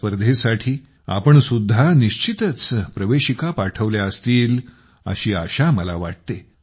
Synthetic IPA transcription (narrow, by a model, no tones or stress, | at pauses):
pəɾd̪ʱesaʈʰiː | a̰pəɳsud̪ʱːaniɕt͡ɕit̪ət͡spɾəʋeɕikapaʈʰəʋljaəst̪iːl | ə̰ɕiːaɕaməla̰ʋa̰ʈ̚t̪e